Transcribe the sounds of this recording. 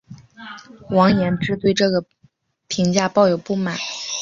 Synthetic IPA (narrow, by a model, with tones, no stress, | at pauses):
wɑ˧˥ŋjɛ˧˥nʈ͡ʂɻ̩˥t̪we˥˧ɪʈ͡ʂɤ˥˩ɡə˩ | pʰi˧˥ŋt͡ɕja˥˧pɑ˥˩ʊjo˨˩ʊpu˥˩ma˨˩˦n